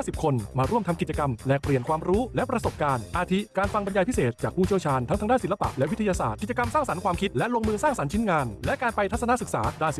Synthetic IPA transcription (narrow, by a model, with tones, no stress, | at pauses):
si˨˩p̚kʰo˧nmaː˧ɾu˥˩əmt̪ʰa˧mki˨˩t̚t͡ɕa˧ka˧mlɛː˨˩k̚pli˨˩ənkʰwaː˧mɾuː˦˥lɛ˦˥pɾa˧so˨˩p̚kaː˧nʔaː˧t̪ʰi˦˥kaː˧nfa˧ŋba˧njaː˧jpʰi˦˥seː˨˩t̪̚t͡ɕaː˨˩k̚ʰuː˥˩i˥˩əwt͡ɕʰaː˧nt̪ʰa˦˥ŋt̪ʰa˦˥daː˥˩si˩˦la˧pa̰˨˩ʔlɛ˦˥ʔwi˦˥t̪ʰa˧jaː˧saː˨˩t̪̚ki˨˩t̚t͡ɕa˧ka˧msaː˥˩ŋsa˩˦nkʰwaː˧mkʰi˦˥t̪̚lɛ˦˥ʔlo˧ŋmɯː˧saː˥˩ŋsa˩˦nt͡ɕʰi˦˥nŋaː˧nlɛ˦˥kaː˧npa˧jt̪ʰa˦˥t̚sa˧na˥sɯ˨˩k̚saː˩˦daː˧˩j